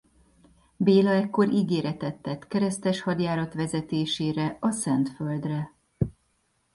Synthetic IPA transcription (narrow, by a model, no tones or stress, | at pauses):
beːlɒɛkːo̞ɾʔiɡeːɾɛt̪ɛt̪ːɛt̪kɛɾɛst̪ɛʃhɒd̪jaːɾɒt̪ʋɛzɛt̪eːʃeːɾɛɒsɛnt̪føld̪rɛ